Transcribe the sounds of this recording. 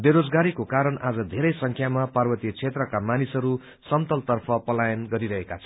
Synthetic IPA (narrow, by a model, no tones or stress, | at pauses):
beɾod͡zɡaɾikokaɾʌnad͡zʌd̪ʱeɾʌjsʌŋkʰjamaparbʌt̪jʌt͡sʰet̪rʌkamanisʌɾu | sʌmt̪ʌlt̪ʌrpʰʌpʌlajʌnɡʌɾiɾʌɦekat͡sʰʌ